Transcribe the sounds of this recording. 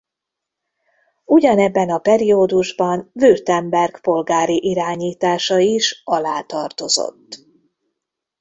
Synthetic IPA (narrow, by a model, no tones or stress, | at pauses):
uɟɒnɛbːɛnɒpɛɾioːd̪uʒbɒnvyrt̪ɛmbɛrɡpo̞lɡaːɾiʔiɾaːɲiːt̪aːʃɒiʃɒlaːt̪ɒrt̪o̞zo̰t̪ː